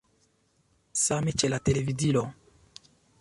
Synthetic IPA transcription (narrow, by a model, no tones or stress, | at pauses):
samet͡ʃelat̪elevid̪ilo